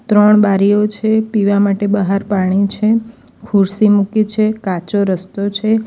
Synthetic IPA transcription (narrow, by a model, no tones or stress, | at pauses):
t̪ɾəɳbaɾijot͡ʃʰepiʋamaʈebəɦaɾpaɽ̃it͡ʃʰe | kʰuɾsimukit͡ʃʰekat͡ʃoɾəst̪ot͡ʃʰe